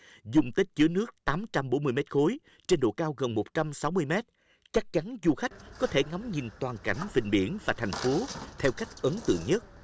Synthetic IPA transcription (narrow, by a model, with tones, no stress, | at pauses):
zʊ˨˩ŋ͡mt̪e˨˦˥t̚t͡ɕɨ̰˧˩ənɨ˦˥ək̚t̪aː˨˦mt͡ɕa˧mɓo˧˥˦nm˧əjmɛ˦˥t̚xo˨˦j | t͡ɕe˧nɗo̰˧˨kaː˧wɣə˨˩nmo˨˩t̚t͡ɕa˧msa˨˦wmɨ˧əjmɛ˦˥t̚ | t͡ɕa˦˥k̚t͡ɕa˨˦nzu˧xa˦˥jk̟̚kɔ˨˦t̪ʰe˧˩ŋɔ˨˦ŋ͡mɲḭ˨˩nt̪waː˨˩nka̰˧˩jŋ̟vï˧˨˩ŋ̟ɓi˧˩ənvaː˨˩t̪ʰa˨˩jŋ̟fo˨˦t̪ʰɛ˧wka˦˥jk̟̚ʔə˨˦nt̪ɨ̰˧˨əŋɲə˦˥t̚